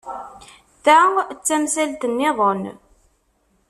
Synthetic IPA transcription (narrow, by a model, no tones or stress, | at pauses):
θæt͡sːæmsælt̪ənːɪðˤon